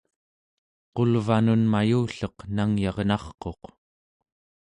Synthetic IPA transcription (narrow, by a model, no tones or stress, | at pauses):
qo̞lvanunmajuːɬʌqnaŋjɑʁnɑχqo̞q